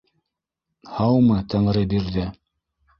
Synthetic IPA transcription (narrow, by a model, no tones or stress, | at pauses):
hɑwmɤt̪ɤ̆ɴɾɤd̪iɾðɘ